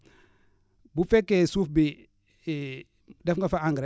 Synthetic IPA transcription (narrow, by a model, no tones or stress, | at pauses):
bufekesufbi | dafŋɡafaaŋɡɾe